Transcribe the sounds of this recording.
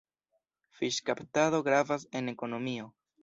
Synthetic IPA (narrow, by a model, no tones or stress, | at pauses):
fiʃkaptaðo̞ɡɾavase̞ne̞ko̞no̞mio̞